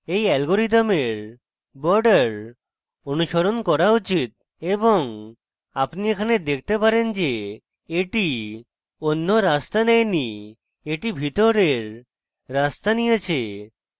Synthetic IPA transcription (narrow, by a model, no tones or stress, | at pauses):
ejɛlɡoɾit̪ameɾ | bɔɾɖaɾ | onuʃoɾonkɔɾaut͡ɕit̪̚ | eboŋ | apniekʰaned̪ek̚ʰt̪epaɾend͡ʑe | eʈi | onːoɾast̪anɛjni | eʈibʱit̪oɾeɾː | ast̪anijet͡ɕʰe